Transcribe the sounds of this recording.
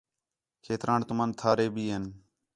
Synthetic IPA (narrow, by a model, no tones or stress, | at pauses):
kʰeːt̪ɾaːɳt̪ʊmãːnt̪ʰaːɾeːbʱiːɦən